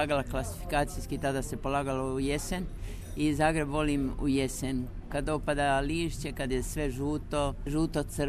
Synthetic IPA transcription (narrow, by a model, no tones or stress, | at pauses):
aːɡalaklasi̥fi̥kaːt̪sijskit̪ad̪ase̞po̞laːɡalouje̞se̞n | izaːɡɾe̞bʋo̞limṵje̞sen | kad̪o̞pad̪aliːʃt͡ɕe̞kad̪jesʋe̞ʒuːt̪oʒuːt̪o̞t̪sr